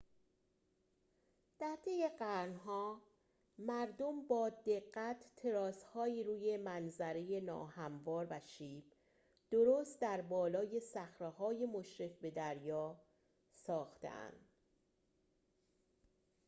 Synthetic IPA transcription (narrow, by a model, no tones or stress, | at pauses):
d̪̥æɾt̪ʰe̞je̞ɢæɾnɦɒː | mæɾd̪ombɒːd̪e̞ɢːæt̪ʰːe̞ɾɒːshɒːiːɾuːje̞mænzæɾe̞je̞nɒ̰ːhæmvɒːɾvæʃiːb̥ | d̪̥oɾoːst̪̚d̪æɾbɒːlɒːje̞sæxɾeɦɒːje̞moʃɾe̞fbe̞d̪æɾjɒː | sɒːxt̪ḛʔæ̰nd̪̥